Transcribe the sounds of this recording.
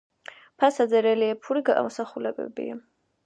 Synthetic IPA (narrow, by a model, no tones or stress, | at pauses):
pʰasad̪zɛɾɛliɛpʰuɾiɡaʔa̰mɔsaχulɛbɛ̰bḭa̰